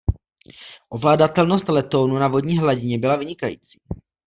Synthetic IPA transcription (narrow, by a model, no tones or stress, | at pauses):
ʔo̞vlaːdat̪ɛlno̞st̪lɛt̪o̞wnunavo̞dɲiːɦlaɟɪɲɛbɪlavɪɲɪkajḭːt͡si̥ː